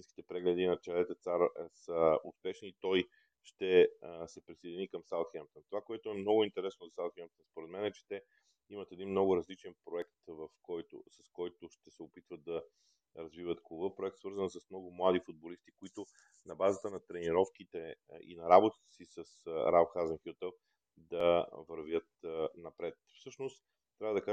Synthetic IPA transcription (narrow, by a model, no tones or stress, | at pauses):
inski̥t̪ɛpɾɛɡlɛd̪inɐt͡ʃɛlɛt̪ɛt̪saɾsəʊ̰spɛʃniːt̪ɔj | ʃt̪ɛsɛpɾised̪inikəmsalˠt̪xɛmpt̪ənt̪ovakoɛt̪ʊɛmnɔɡʊint̪ɛɾɛsnʊzɐsalˠt̪xɛmpt̪ənspoɾɛd̪mɛnɛt͡ʃɛ̥t̪ɛ | imət̪ɛd̪inmnɔɡʊɾɐzlit͡ʃɛnpɾoɛkt̪vəfkɔjt̪ʊ̰sɐskɔjt̪ʊʃt̪ɛsɛopit̪vət̪̚d̪ɐ | ɾɐzvivət̪klˠubəpɾoʊɛk̚t̪svɤɾzənsɐsmnɔɡʊmlˠad̪ifʊd̪̚bolist̪i̥koit̪ʊ | nɐbazət̪ənɐt̪ɾɛniɾɔfk̟it̪ɛḭnɐɾabʊt̪ə̥t̪ə̥sisəsɾaxazənxut̪əf | d̪ɐvəɾvjət̪nɐpɾɛt̪fsɤʃnost̪ | t̪ɾʲavəd̪ɐka